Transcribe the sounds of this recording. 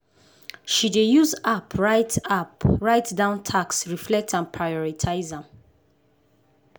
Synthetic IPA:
ʃidejuzapʰɹaɪtʰapɹaɪtdãʊ̃ntʰaksɹiflɛk̚tʰãnpʰɹajɔɹitʰaɪzãm

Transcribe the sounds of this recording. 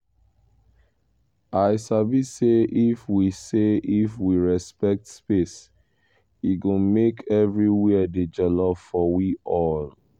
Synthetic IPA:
aɪsabiseʔifwiseifwiɹɛspɛk̚tspes | iɡõmekʰɛvɹiwɛded͡ʒɛlɔpfɔwiʔɔl

